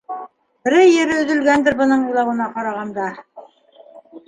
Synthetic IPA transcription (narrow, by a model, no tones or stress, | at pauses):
bɘ̆ɾɘːɘ̆ɾɘɵ̆ðɵ̆lɡænd̪ɘɾbɤ̆nɤɴulˠɑwɤ̆nɑqɑɾɑʁɑnd̪ɑ